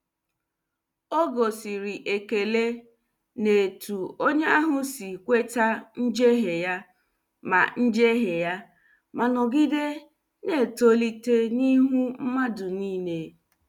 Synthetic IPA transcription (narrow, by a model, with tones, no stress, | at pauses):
o˦ɡo˨si˨ɾɪ˨ʔe˨ke˨le˦ | ne˨tu˨o˦ɲe˦a˦ɦʊ˦si˨kʷe˦ta˦n̩˦d͡ʒe˦ɦe˨ja˦ | ma̰˨n̩˦d͡ʒe˦ɦe˨ja˦ | ma˨nʊ˨ɡi˦de˦ | ne˨to˦li˦te˦ni˦ɦu˦m̩˦ma˦dʊ˨niː˦ne˨